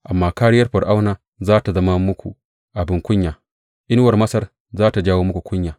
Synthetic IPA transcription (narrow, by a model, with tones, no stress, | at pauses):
ʔa˨mːaː˦kaː˦ɽɪ˦jɐ˦rɸɐ˨ɽʔa˦wnaː˨ | zaː˦ta˨zɐ˦ma˦mʊ˦kʷṵ˨ | ʔa˨bɪ˦ŋkʷʊ˦ɲjaː˨ | ʔɪ˦n˦wɐ˨rmɐ˦sɐ˦r | zaː˦ta˨d͡ʒaː˦woː˦mʊ˦kʷu˨kʷʊ˦ɲjaː˨